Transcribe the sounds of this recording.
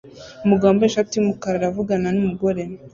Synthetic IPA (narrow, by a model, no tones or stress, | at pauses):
umuɡaːmboeʃatiumukaɾaɾavuɡananumuɡo̞ɾen